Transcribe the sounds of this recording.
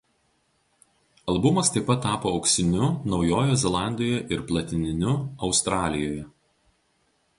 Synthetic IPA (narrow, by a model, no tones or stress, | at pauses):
ɐlˠbʊmɐst̪ɐɪpɐt̪ːɑːpoːɒʊksʲɪnʲʊnɒʊjoːjoːzʲɛlˠɑˑnʲd̪ʲoːjɛʔɪɾplˠɐt̪ʲɪnʲɪnʲʊɒʊst̪ɾɑːlʲɪjoːjɛ